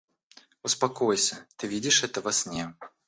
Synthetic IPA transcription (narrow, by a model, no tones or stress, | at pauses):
ʊspɐkojsʲət̪ɨvʲidʲɪʂɛt̪əvɐsʲnʲe